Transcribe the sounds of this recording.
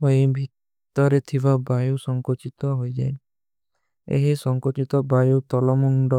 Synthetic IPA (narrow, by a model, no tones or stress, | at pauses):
oibʱit̪ː | ɔɾet̪ʰibabajusɔŋkɔt͡ʃit̪ɔɦojd͡ʒae | ḛɦisɔŋkɔt͡ʃit̪ɔbajut̪ɔlɔmɔŋɖɔ